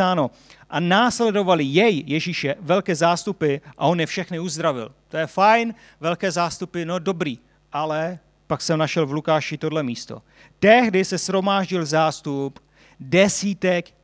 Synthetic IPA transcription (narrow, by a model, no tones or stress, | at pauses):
aːno̞ | ʔanaːslɛdo̞valɪjɛjjɛʒiːʃɛvɛlkɛːzaːst̪upɪʔa̰o̞njɛfʃɛxnɪuzd̪ɾavɪ̰lt̪o̞jɛfajn | vɛlkɛːzaːst̪upɪno̞do̞bɾiː | ʔalɛ | paksɛmnaʃɛlvlukaːʃɪt̪o̞dlɛmiːst̪o̞̰ | t̪ɛɦdɪsɛsxɾo̞maːʒɟɪlzaːst̪up | dɛsiːt̪ɛk